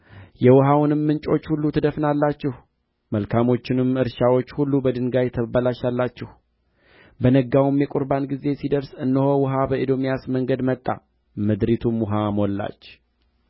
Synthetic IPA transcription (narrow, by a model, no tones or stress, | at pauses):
jɛwɔɦawnɨmːɨnt͡ʃʼo̞t͡ʃːhulːut̪ʰɨd̪əfnalːat͡ʃːɪh | məlkʰamo̞t͡ʃːɪnɨmɨɾʃawo̞t͡ʃːhulːubəd̪ɨnɡajɛt̪ʰəbalaʃalːat͡ʃːɪh | bənəɡawmjɛkʼʊɾbanɡize̞sid̪əɾsɨnːɨhowɔɦabəʔid̪o̞mjasməŋɡəd̪mət̪ʼːa̰ | mɨd̪ɾit̪ʰumwʊɦamolːa̰t͡ʃː